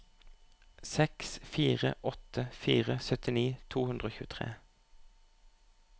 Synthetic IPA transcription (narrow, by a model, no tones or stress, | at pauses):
sɛksfiːʁə̰ʔɔt̪ʰəfiːʁəsœt̪ɪniːt̪ʰuːhʉnd̪ʁəoːçʉːt̪ʰʁḛː